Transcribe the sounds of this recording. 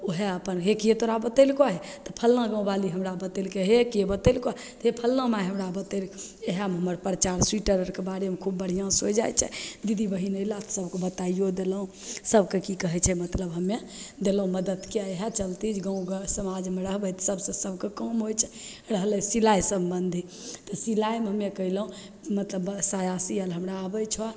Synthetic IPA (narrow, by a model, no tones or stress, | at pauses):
oɦeəpənɦekiet̪oɾabət̪elkaɦet̪ɔpʰəlnãɡə̃ũbaliɦəmɾabət̪elkeɦekebət̪elka | t̪ɦepʰəlːãmaɦəmɾabət̪elkeɦamɦəməɾpɾət͡ʃaɾswiʈəɾəɾkebaɾemekʰubːəɽ̤ijãsod͡ʒajt͡ʃʰɛ̰d̪id̪ʱibəɦinəilat̪ɔ̥səbkebət̪aijod̪eləũ | səbkekikəɦɛt͡ʃʰɛmət̪ləbɦəmːe | d̪eləɦũməd̪əd̪keajɦat͡ʃəlt̪it͡ʃʰɡə̃ũɡsəmad͡ʒmeɾəɦbət̪səbsə̃səbʱkekəmɦojt͡ʃʰɛ̥ | ɾəɦələsilajsəmbənd̪ʱi | t̪ɔsilajmeɦəmːekəɦiləɦũ | mət̪ləbsajasiəlɦəmɾaəbət͡ʃʰa